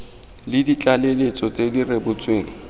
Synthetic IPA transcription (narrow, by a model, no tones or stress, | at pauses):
lɪdit͡ɬʼalelet͡sʼɔt͡sʼedirebʊt͡sʼweːŋ̩